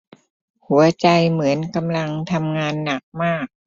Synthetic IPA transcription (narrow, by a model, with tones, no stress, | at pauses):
hu˩˦ɐt͡ɕa˧jmɯ˩˦ənka˧mla˧ŋt̪ʰa˧mŋaː˧nːa˨˩˦k̚maː˥˩k̚